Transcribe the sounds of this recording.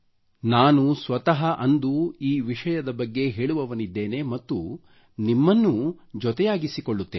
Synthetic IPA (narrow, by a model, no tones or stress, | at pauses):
naːnusʋɐt̪ɐɦɐʔɐnd̪uiːʋiʂɐjɐd̪ɐbɐɡːe̞ɦe̞ːɭuʋɐʋɐnid̪ːe̞ːne̞mɐt̪ːu | nimːɐnːud͡ʒɔt̪ɛjaːɡisikoɭːut̪ːeː